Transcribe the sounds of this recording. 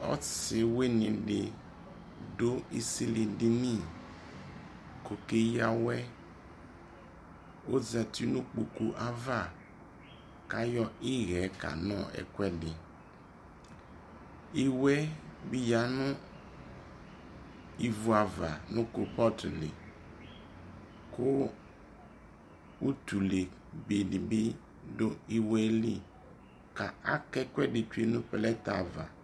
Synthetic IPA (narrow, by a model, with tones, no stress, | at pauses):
ɔ̰˦sɪ˨we˦nɪ̃˨ɖɪ˨ | do˦i˦si˦li˨dɪ˦nĩ˦˨ | ko˨ke˦ja˨wɛ˦ | o˦za˨ti˦nũ˦k͡pu˨ku˨ʔa˦va˦˨ | ka˦jɔ˦i˦ɣɛ˨˦ka̰˨nɔ̃˦˨ɛ̰˨kwɛ˦dɪ˨ | i˦wɛ˦bi˦ja˨nʊ̃˦ | i˨vu˨a˨va˨nʊ̃˦ko˨pɔ˦tlɪ̰˨ | kʊ˦ | u˦t̪u˨le˨ | be˨dɪ˨bɪ˦ | dʊ˦i˨wɛ˦li˦ | ka˨a˦kɛ˦kwɛ˦dɪ˨t͡ʃu˦e˦nʊ̃˦pɛ˨lɛ˦t̪a˨va̰˨